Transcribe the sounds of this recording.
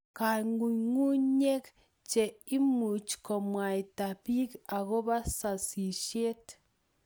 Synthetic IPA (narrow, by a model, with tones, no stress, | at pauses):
ka˨ŋu˨ŋu˦ɲe˦k | t͡ʃɛ˨i˦mu˨t͡ʃkɔ˨mwa˨i˨ta˨bi˦ka˨ɣo˦βa˦sa˨si˨ʃe˦t